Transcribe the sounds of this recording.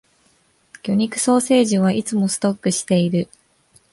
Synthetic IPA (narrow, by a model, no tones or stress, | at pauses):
kʲo̞ɲ̟ikɯ̟̥so̞ːse̞ːʑiβaʔit͡sɨmo̞sɨ̥t̪o̞kːɯ̟ɕi̥t̪e̞iɾɯ̟